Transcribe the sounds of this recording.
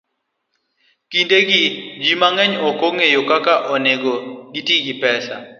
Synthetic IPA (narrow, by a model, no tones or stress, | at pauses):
kindeɡid͡ʒimaŋɛɲɔkoŋejokakaʔɔneɡoɡitiɡipɛsa̰